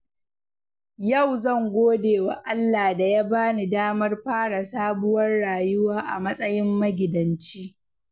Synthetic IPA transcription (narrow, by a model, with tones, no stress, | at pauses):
jɐ˦˨wzɐ˦˨ŋɡʷoː˦deː˨wa˨ʔa˦lːaː˨da˨ja˦baː˦ni˨daː˦mɐ˦rɸaː˦ɽa˨saː˦bʊ˦wɐ˦rɽaː˨jʊ˦waː˦ʔa̰˨mɐ˦sʼɐ˦jɪ˦mːɐ˦ɡʲɪ˨dɐ˨nt͡ʃiː˦